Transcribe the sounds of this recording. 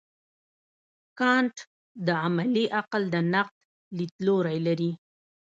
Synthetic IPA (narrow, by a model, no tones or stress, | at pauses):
kɑɳʈ | d̪əamaliʔaqld̪ənaq̚t̪ | lit̪loɾajlaɾi